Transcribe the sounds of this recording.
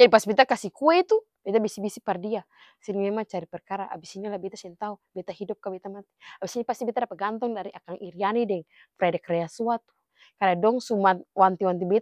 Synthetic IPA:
d͡ʒadipasibɛt̪akasikuɛt̪u | bɛt̪abisibisipardia | sɛnmɛmaŋt͡ʃaɾipɛrkaɾaʔa̰bisinilabɛt̪asiɛnt̪aubɛt̪ahidup̚kabɛt̪amat̪i̥abisinipast̪ibɛt̪adapaɡant̪ɔŋdaɾiʔakaŋʔiɾianidɛŋ | fɾɛdɛkrɛasuat̪u̥ | kadadɔŋsumat̪want̪iwant̪ibɛt̪a

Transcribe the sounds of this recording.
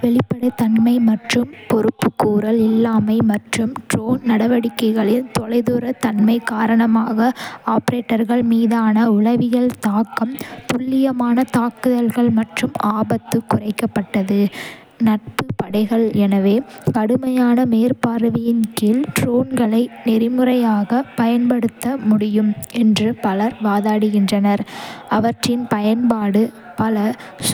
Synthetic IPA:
ʋɛɭɪpːɐɽɐt̪ɐnmɐɪmɐʈrɯmpɔɾɯpːɯkːuːɾɐlɪlːaːmɐɪmɐʈrɯmʈɾoːnnɐɽɐʋɐɽɪkːɐɪɣɐɭɪnt̪ɔlɐɪðuːɾɐt̪ɐɳmɐɪkaːɾɐɳɐmaːɣɐaːpɾeːʈːɐɾɣɐɭmiːðaːnɐʊɭɐʋɪjɐlt̪aːkːɐmt̪ʊɭːɪjɐmaːnɐt̪aːkɯðɐlɣɐɭmɐʈrɯmaːbɐt̪ːɯkːʊrɐɪkːɐpːɐʈːɐðɯ | nɐʈ̚pɯpɐɽɐɪɣɐɭɛnɐʋeːkɐɽɯmɐjaːnɐmeːɾpaːɾɯʋɪjɪnkiːlʈɾoːnɡɐɭɐɪnɪɾɪmɯrɐjaːɣɐpɐjɐnpɐɽɯt̪ːɐmʊɽɪjɯmɛndrɯpɐlɐɾʋaːðaːɽɯɣɪndrɐnɐɾɐʋɐʈrɪnpɐjɐnpaːɽɯ | pɐlɐ | s

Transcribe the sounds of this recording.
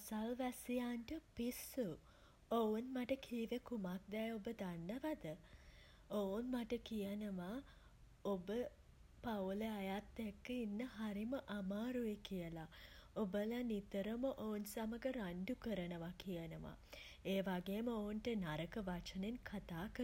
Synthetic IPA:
asalʋæsijaːɳʈəpisːu | ounmaʈəkʰiːʋekumak̚d̪ɛobəd̪anːəʋad̪ə | ounmaʈəkijənəʋa | obə | pauleajat̪ːekːəinːəɦaɾiməʔamaːɾujekijəlaobəlanit̪əɾəməʔounsaməɡəɾaɳɖukəɾənəʋakijənəʋa̰ | eːʋaɡeːməounʈənaɾəkəʋat͡ʃənenkʰat̪aːkəɾ

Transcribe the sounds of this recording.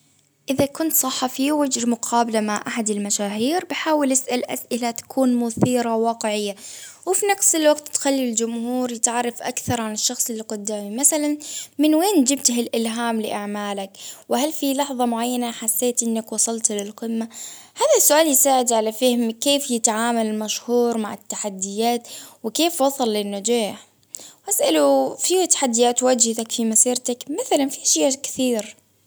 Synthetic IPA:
ʔɪðakʊnt̪sˤɑħːɑfiːwɪd͡ʒɾmʊqʰɑːbalamaʕʔaħad̪ɪlmaʃaːɦiːɾbɪħaːwɪlʔasʔalʔa̰sʔɪlat̪ḁkʰuːnmʊθiːɾawɑːqɪʕɪjːawɪfinɑqsɪlwaɡt̪ːxalːild͡ʒʊmhuːɾjɪt̪ʕɑrˤːɑfʔa̰kθɑɾˤʕanɪʃːɑxsˤɪlːqʊd̪ːaːmimaθalanmɪnweːnd͡ʒɪb̚t̪hɪlʔɪlɦaːmlɪʔaʕmaːlakwɪhalfilɑħðˤɑmʊʕajːanaħasːeːt̪ʔɪnːakwɑsˤɑlt̪lɪlqɪmːahaːðasːʊʔaːljɪsaːʕɪd̪ʕalafɪhɪmkeːfjɪt̪ʕaːmalɪlmaʃhuːɾmaʕɪt̪ːaħad̪ːɪjaːt̪wɪkeːfwɑsˤɑlːɪnːʊd͡ʒaːħ | ʔasʔalufiwat̪ḁħad̪ːɪjaːt̪wad͡ʒht̪akfimasiːɾt̪akmaθalanfiʃɪːakɪ̥θiːɾ

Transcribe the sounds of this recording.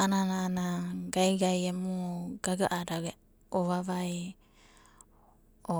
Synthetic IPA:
ananaːnaɡaiɡajɛmuɡaɡaʔadaɡɛ | ɔβaβai | ɔ

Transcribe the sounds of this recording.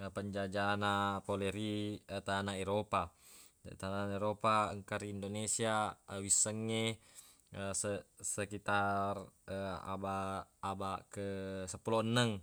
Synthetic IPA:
əpəɲd͡ʒad͡ʒanapoleɾiət̪anaeɾopa | t̪anaeɾopaəŋkaɾiːndonesiaəwisːəŋːe | əsəsəkit̪arəa̰baːbakəsəpulɔənːəŋ

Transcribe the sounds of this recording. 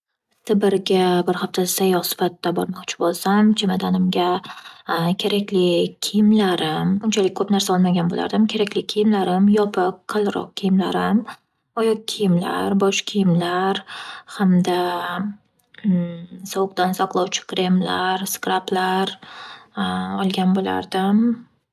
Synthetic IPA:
t̪ʰɪbɪɾɡʲabɪɾhaft̪ʰasajɒχsɪ̥fat̪ːabɒɾmɒqt͡ʃʰɪ̥bolˠsamt͡ʃʰemad̪anɪmɡʲa | kʲʰe̞ɾakʲlɪkʲʰijɪmlaɾɪmʊnt͡ʃʰalɪkʲkʰɵpnaɾsaɒlˠmaɡʲanbo̰lʔa̰ɾd̪ɪmkʲʰe̞ɾakʲlɪijɪmlaɾɪmjɒpʰɪq̚qʰːɨlˠɾɒ̰q̚kʲʰijɪmlaɾɪm | ɒjɒq̚kʲʰijɪmla̰ɾbɒʃkʲʰijɪmlaɾhamd̪a | sɒwʊq̚t̪ansaqlˠɒwt͡ʃʰɪ̥kʰɾemla̰ɾskɾaplaɾ | ɒlˠɡʲanbola̰ɾd̪ɪm

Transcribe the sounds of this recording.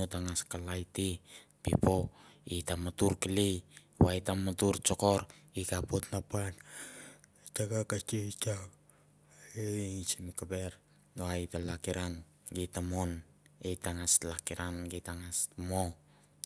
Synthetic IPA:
otaŋaskalajti | pḭpoitamatuɾkili | wajtamatuɾt͡ʃokoɾ | ikapotnapan | t͡ʃaɡakat͡ʃeit͡ʃa | eit͡ʃimikabeɾ | ɡoajtalakiɾan | ɡitamon | etaŋaslakiɾanɡitaŋasmo

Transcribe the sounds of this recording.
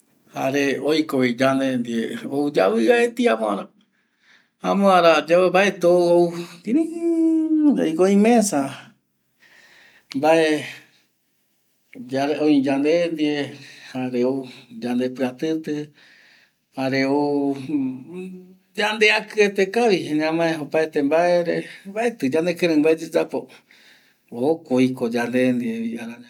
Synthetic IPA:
ha̰ɾeojkoβid͡ʒand̪end̪ieoud͡ʒa̰βɨaet̪iamõa̰ɾa | amõãɾad͡ʒaembaet̪owout̪ĩɾĩ | aikoĩmẽsa | mbae | d͡ʒaɾeõid͡ʒand̪end̪iehaɾeud͡ʒand̪epɨat̪ɨt̪ɨ | haɾeu | d͡ʒand̪eakɨet̪ekaβihenãmãeopaet̪embaeɾebaet̪ɨd͡ʒand̪ekɨ̃ɾɨ̃mbaed͡ʒed͡ʒapo | okoikod͡ʒand̪end̪ieiaɾaa

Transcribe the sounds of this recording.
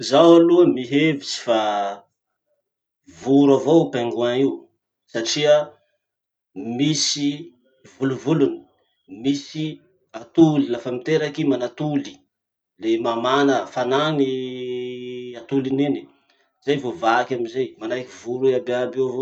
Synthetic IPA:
zawaluəmiɦevit͡si̥fa | vuɾavopeŋɡuaŋiw | saʈ͡ʂiə | misi | vuluvuluni̥ | misi | at̪ulilafəmit̪eɾakimanat̪uli̥ | lemamanəfanani | at̪ulineni | zajvovakʲaminzajmanajkivuɾuababewavo

